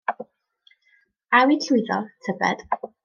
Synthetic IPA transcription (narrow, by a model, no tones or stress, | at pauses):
awitʰujðɔ̰tʰəbɛ̰d̥